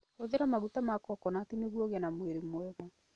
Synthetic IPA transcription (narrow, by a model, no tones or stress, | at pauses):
oðeɾamaɣutamakɔkɔnatineɣwɔɣanamweɾemwɛmɔ